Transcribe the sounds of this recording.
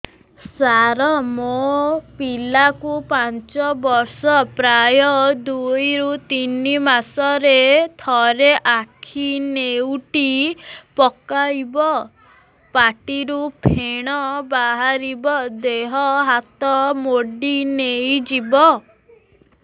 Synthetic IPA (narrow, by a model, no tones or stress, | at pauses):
saɾɔmopilakupant͡ʃɔbɔɾsɔpɾajɔd̪ujɾut̪inimasɔɾet̪ʰɔɾeʔakʰinewʈipɔkajbɔ | paʈiɾupʰeɽ̃ɔbaɦaɾibɔd̪eɦɔɦat̪ɔmoɖinejd͡ʒibɔ